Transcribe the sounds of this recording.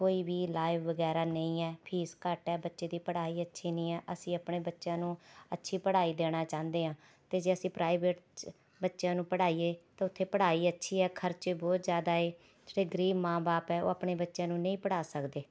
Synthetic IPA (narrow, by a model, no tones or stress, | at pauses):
koːiːbiːlaːɪʋʋəɡɛːɾaːnəĩːɛːpʰiːskəʈɛːbətːʃeːd̪iːpəɽaːiːətːʃʰiːnĩːɛːʔəsĩːəpɳeːbətːʃjãːnũːətːʃʰiːpəɽaːiːd̪eːɽ̃ãːt͡ʃãːnd̪eːɦãː | t̪eːd͡ʒeːəsĩːpɾʔaːɪbeːʈ | bətːʃjãːnũːpəɽaːiːeːt̪ãːʊt̪ʰːeːpəɽaːiːətːʃʰiːɛːkʰəɾt͡ʃiːbɔːt̪zjaːd̪aːeː | d͡ʒʈeːɡəɾiːbmãːbaːpɛːo̰ːəpɳeːbətːʃjãːnũːnə̃ĩːpəɽaːsəkd̪eː